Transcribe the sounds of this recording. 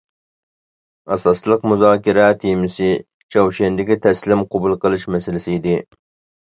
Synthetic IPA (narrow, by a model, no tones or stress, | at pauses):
ɑsɑslˠəqmuzɑːkʲʰiɾɛt̪ʰimɪsɪ | t͡ʃʰɑwʃɛnd̪ɪkʲit̪ʰɛslɪmqʰobulˠqəlˠɨʃmɛsɪlɪsɪid̪ɪ